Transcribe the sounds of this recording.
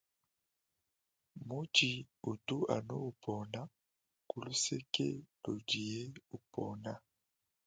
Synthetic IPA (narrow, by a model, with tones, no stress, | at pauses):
mu˦d͡ʒi˨u˨tu˦a̰˨no̰˦u˨pʰɔ˨na˦ | ku˨lu˦se˦kḛ˦lo˨di˨je˦u˨pʰɔ˨na˦